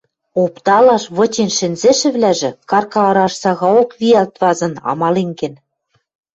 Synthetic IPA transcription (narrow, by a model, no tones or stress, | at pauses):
opt̪ɑlɑʃβɤ̆t͡ɕenʃɘ̆nzĕʃɘ̆βlæʒɘ̆kɑrkɑlɑɾɑʃsɑɣɑokβʲiɑlt̪βɑzɤ̆nɑ̰mɑleŋkĕn